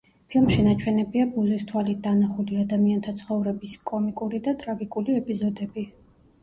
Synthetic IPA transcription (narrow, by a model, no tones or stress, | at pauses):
pʰilˠmʃinat͡ʃʰwɛnɛbiabuzist̪ʰwalit̪̚d̪anaχuliad̪amiant̪ʰat̪sʰχɔvɾɛbiskʼɔmikʼuɾid̪at̪ʼɾaɡikʼuliɛpʼizɔd̪ɛbi